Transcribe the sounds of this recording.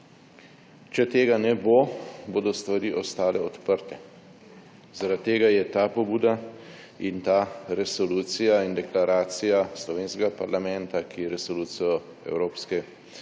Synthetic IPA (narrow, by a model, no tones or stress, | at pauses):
t͡ʃɛt̪eːɡanɛboboːd̪ɔst̪ʋaɾiːʔɔst̪aːlɛɔt̪pəɾt̪ɛ | zaɾat̪ːeːɡajɛt̪aːpɔbuːd̪a | int̪aɾɛsɔluːt̪sijaind̪ɛklaɾaːt̪sijaslɔʋeːnskɛɡapaɾlamɛ̃nt̪akʰiɾɛsɔluːt̪sijɔ | ɛ̰wɾoːpskɛ